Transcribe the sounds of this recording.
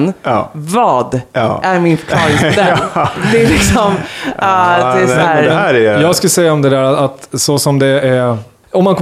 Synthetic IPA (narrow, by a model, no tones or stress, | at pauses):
nvɑːd̪ʔæɾmɪnfœɾkʰlɑːɾɪŋd̪æd̪ɛælɪksɔm | d̪ɛæsɔæːɾɛɾɛjɑːɡsk̪sɛjːaɔmd̪ɛd̪æːɾaat̪sɔsɔmd̪ɛæɾ | ɔmːankʰɔ